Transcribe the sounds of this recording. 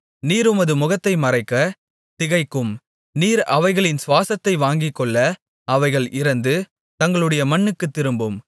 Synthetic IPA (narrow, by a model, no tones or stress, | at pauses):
niːɾʊmɐðɯmʊɣɐt̪ːɐɪmɐrɐɪkːɐ | t̪ɪɣɐɪkːɯm | niːɾɐʋɐɪɣɐɭɪnsʋaːsɐt̪ːɐɪʋaːŋɡɪkːɔɭːɐ | ɐʋɐɪɣɐɭʔɪɾɐnd̪ɯ | t̪ɐŋɡɐɭɯɽɐjɐmɐɳːɯkːɯt̪ːɪɾɯmbɯm